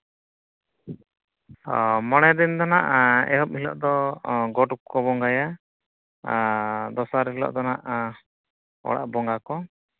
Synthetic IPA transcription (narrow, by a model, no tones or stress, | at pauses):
mɔɽ̃ɛd̪ind̪ɔna̰ʔɛ̰ɦɔp̚hilɔ̰ʔd̪ɔɡɔʈukkːɔbɔŋɡaja | d̪ɔsaɾilɔ̰ʔd̪ɔnaʔ | ɔ̰ɽa̰ʔbɔŋɡakɔ